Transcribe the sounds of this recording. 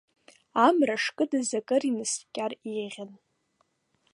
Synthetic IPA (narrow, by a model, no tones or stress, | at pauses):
amraʂkʼɨdɨzakʼɨrinɨskʲʼariʁʲan